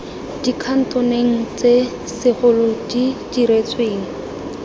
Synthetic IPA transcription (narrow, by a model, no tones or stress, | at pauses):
d̥ikʰan̩tʊneŋ̩t͡se | sɪχʊlʊdidiɾet͡sʰweːŋ̩